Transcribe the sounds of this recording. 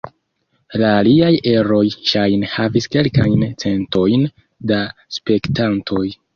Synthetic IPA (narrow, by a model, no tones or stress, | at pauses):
laːliaje̞ɾo̞jʃajnhaviske̞lkajnt͡se̞nto̞jn | daspe̞ktantʰo̞j